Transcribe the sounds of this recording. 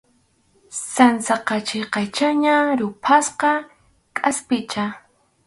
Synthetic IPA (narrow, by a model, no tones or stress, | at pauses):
sansɑqɑt͡ʃɪqɑjt͡ʃaɲaɾʊpʰasqɑ | kʼaspɪt͡ʃa